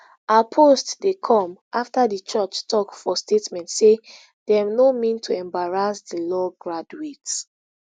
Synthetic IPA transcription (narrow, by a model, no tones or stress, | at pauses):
apʰostdekʰɔ̃mʔaftadət͡ʃɔt͡ʃtʰɔkfɔstʰetmɛ̃ntse | d̥ɛvnomĩntʰuɛ̃mbaɹasdəlɔɡɹaduet